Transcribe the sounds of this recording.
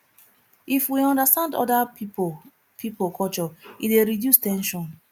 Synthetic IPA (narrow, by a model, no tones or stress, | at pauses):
ifwiɔ̃ndastãndɔ̰da | pʰipokʰɔt͡ʃɔideɾidjustɛ̃nʃɔ̃n